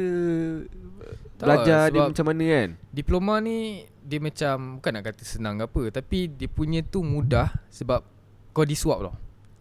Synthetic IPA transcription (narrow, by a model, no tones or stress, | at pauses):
ə | bt̪əlad͡ʒadəiəamat͡ʃamːanə̃kandiplomãni | diəmat͡ʃambukanːaʔkat̪əsənãŋkapət̪apidiəpuɲə̃t̪umũdahsəbap̚ | kadisuap̚lɔ̰h